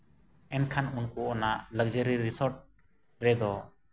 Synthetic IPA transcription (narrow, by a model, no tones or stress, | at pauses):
ɛnkʰanunkuʔɔnaʔləɡ̚d͡ʒəɾiɾisɔɾʈ̚ | ɾɛd̪ɔ